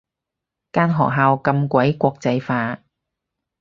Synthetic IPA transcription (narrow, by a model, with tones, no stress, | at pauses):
kaː˥nɦɔː˨k̚ɦaː˧wkɐ˧mkʷɐ˨˥jkʷɔː˧k̚t͡sɐ˧jfaː˧